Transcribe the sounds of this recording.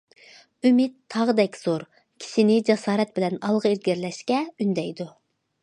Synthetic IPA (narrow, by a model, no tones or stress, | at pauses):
ymɪt̪ʰːɑʁd̪ɛkʲz̥oɾ | kʲʰi̥ʃɪnɪd͡ʒɛsɑːɾɛt̪̚bɪlɛnɑlˠʁəezɡʲɪɾlɛʃkʲɛynd̪ɛjd̪u